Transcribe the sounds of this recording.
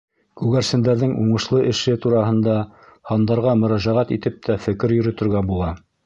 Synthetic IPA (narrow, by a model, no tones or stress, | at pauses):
kʉɡæɾsɘ̆nd̪æɾðɘŋʔuɴɤ̆ʃlˠɤʔɘ̆ʃɘt̪uɾɑɦɤ̆nd̪ɑhɑnd̪ɑɾʁɑmɵ̆ɾæʒæʁæt̪it̪ɘp̚t̪ʰæfɘ̆kɘɾjɵ̆ɾɘ̆t̪ɘ̆ɾɡæbulˠɑ